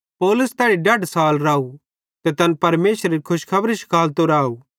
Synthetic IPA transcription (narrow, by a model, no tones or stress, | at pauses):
poːlʊst̪ɛːɽiɖɐɖsaːlɾaːu | t̪et̪ɐnpɐɾmeːʃɾikʰʊʃkʰɐbɾiʃɪ̥kʰaːlt̪oɾaːu